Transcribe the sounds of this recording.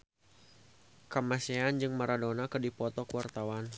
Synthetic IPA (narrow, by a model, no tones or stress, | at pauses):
kamaseand͡ʒɨŋmaɾadɔnakədipɔt̪ɔkəwart̪awan